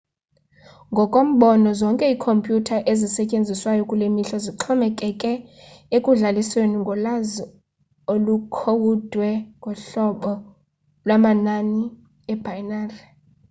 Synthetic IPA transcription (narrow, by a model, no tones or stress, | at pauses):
ŋɡʱɔkʼom̩ɓɔnɔzɔŋkʼɛiːkʰompʼjutʰaʔezisɛcʼend͡zʱiswajɔkʼulemiɬɔziǃʰɔmɛkʼɛkʼɛekʼuɮalisweniŋɡʱɔlaz | olukʰowud̥ʱwɛŋɡʱɔɬɔɓɔ | lwamanani | ɛb̥ʱajnaːrɛ